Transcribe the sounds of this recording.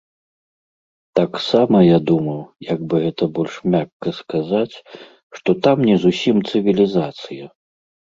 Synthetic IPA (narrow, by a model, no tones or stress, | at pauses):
t̪aksamɐjad̪umɐwjɐɡ̚bɨɣɛt̪ɐbɔlʲʂmʲakːɐskazat͡sʲ | ʂt̪ɔt̪amnʲɛzusʲimt̪sɨvʲilʲizat̪sɨjɐ